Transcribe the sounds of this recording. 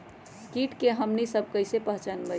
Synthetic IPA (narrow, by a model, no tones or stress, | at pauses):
kiʈkeɦəmnisəb̚ʱkəɪsepəɦt͡ʃanbə